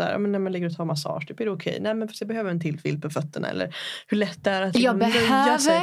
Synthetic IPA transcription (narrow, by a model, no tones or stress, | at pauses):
æ̰ːɾʔɑ̰ːmɛnːæɾmanɪɡːəɾɔt̪ʰɑːɾmasɑ̰ːʂt̪ʰyːpæɖɛʊkʰɛ̰jnæːmɛnfast̪jabɛhøːvəɾɛnt̪ʰɪld̪fɪ̰ld̪̚pʰɔfœt̪ːəɳa̰ɛ̰lːə̰ɾhɵɭɛt̪ːd̪ɛæɾat̪jɑmɛʊøa